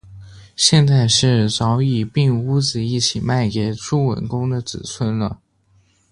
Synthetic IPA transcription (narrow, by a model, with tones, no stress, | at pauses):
ɕjɛ˥˧nt͡sa˥˧ɪʂɻ̩˥˩t͡sɑ˧˥ʊi˨˩pi˥˧ŋu˥t͡sɹ̩˨˩i˥˩t͡ɕʰi˨˩ma˥˩ɪkɛ˨˩ɪʈ͡ʂʰu˥˩wə̰˨˩nkʊ˥ŋd̪ə˨t͡sɹ̩˨˩t͡sʰwə˥nlə˨